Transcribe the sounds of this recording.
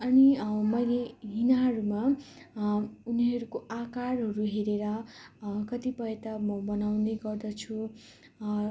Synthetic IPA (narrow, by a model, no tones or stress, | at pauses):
ʌnimʌjleɦinaɦʌɾuma | uniɦʌɾukoʔakaɾɦʌɾuɦeɾeɾʌ | kʌt̪ipʌjt̪ʌmʌbʌnawneɡʌrd̪ʌt͡sʰu